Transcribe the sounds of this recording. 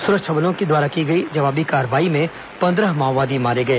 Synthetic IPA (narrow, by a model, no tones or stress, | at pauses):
sʊɾəʃʰɐblõkid̪waːɾakiɡɐid͡ʒɐʋaːbikaːɾʋaːimẽ | pɐ̃nd̪ɾəɦmaːʋaːd̪imaːɾeɡɐeː